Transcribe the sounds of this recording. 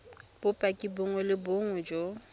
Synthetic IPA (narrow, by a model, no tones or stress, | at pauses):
b̥ʊpʼakʼibʊŋʊlɪboŋʊd͡ʒo